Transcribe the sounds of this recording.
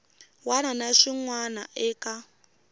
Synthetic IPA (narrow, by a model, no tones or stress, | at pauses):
wananaʂiŋwana̰ʔɛːka